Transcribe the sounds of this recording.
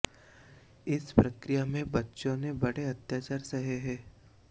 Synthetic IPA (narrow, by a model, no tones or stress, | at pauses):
ɪspɾɐkɾijamẽbɐtːʃõnebɐɽeɐt̪jaːt͡ʃaːɾsɐɦeɦɛː